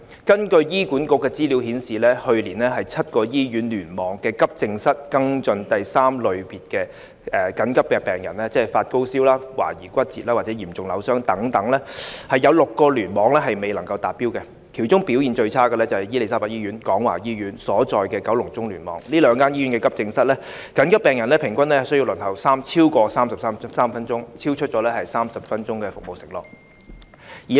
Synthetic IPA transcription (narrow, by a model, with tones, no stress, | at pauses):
kɐ˥nkɵ˧ɥjiː˥kuː˨˥nkʊ˧˥kːɛː˧t͡siː˥li˨˥whiː˨˥nsiː˨lɛː˥hɵ˧ɥliː˨˩nlɛː˥ɦɐ˨jt͡sʰɐ˥t̚kɔː˧jiː˥jyː˨˥nlyː˨˩nmɔː˨ŋkɛː˧kɐ˥p̚t͡sɪ˧ŋsɐ˥t̚kɐ˥ŋt͡sɵ˧nt̪ɐ˨jsaː˥mlɵ˨˧ɥpiː˨˩t̚kɛː˧ | ɛː˨kɐ˨˥nkɐ˥p̚kɛ˧pɛː˨˩ŋjɐ̰˨˩nlɛː˥t͡sɛː˥˨˩faː˧t̚ko˥wsiː˥wlaː˥wa̰ː˨˩jiː˨˩kʷɐ˥t̚t͡siː˨t̚laː˥waː˨˩t͡sɛ˨˦˥jiː˨˩mt͡sʊ˨ŋlɐ˨˧wsœː˥ŋt̪ɐ˨˥ŋt̪ɐ˨˥ŋlɛː˥hɐ˨jɐ˨˧wlʊ˨kːɔː˧lyː˨˩nmɔː˨˧ŋlɛː˥ɦɐ˨jme˨˩jlɐ˨˩ŋkɐ˧wt̪aː˨t̚pːiː˥wkɛ˧ | kʰiː˨˩wt͡sʊ˥ŋpi˨˥wjiː˨nt͡ʃɵ˧ɥt͡sʰaː˥kəː˧lɛː˥t͡sɐ˨˩hɐ˨˩jiː˥le˨jsaː˥mpaː˧˩jiː˥ɥy˨˧˥nkɔː˨˥ŋwa̰ː˨˩jiː˥jyː˨˥nsɔː˨˥t͡sɔː˨jkɛː˧kɐ˨˥wlʊ˨˩ŋt͡sʊ˥ŋlyː˨˩nmɔ̰ː˨˧˥ŋliː˥lœː˨˧ŋkaː˥njiː˥ɥy˨˥nkɛː˧kɐ˥p̚t͡sɪ˧ŋsɐ˥t̚lɛː˥ | kɐ˨˥nkɐ˥pːɛː˨ŋjɐ˨˩nlɛ˦˥pʰɪ˨˩ŋkʷɐ˥nlɛː˥hɐ˨jsɵ˥ji˧wlɵ˨˩nt̪ɐ˨˩wsaː˥mt͡sʰiː˥wkɔː˧saː˥msɐ˨p̚saː˥m˥saː˥mfɐ˥nt͡sʊ˥ŋt͡sʰiː˥wt͡ʃʰɵ˥t̚t͡ʃɔː˨˧˥lɛ˥hɐ˨jsaː˥msɐ˨p̚fɐ˥nt͡ʃʊ˥ŋkɛː˧fʊ˨k̚mo˨wsɪ˨k̚lɔ̰ː˨k̚ | jiː˨˩